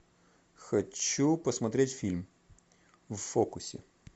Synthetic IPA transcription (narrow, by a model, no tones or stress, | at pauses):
xɐt͡ɕupəsmɐt̪ɾʲetʲfʲilʲm | ʋfokʊsʲɪ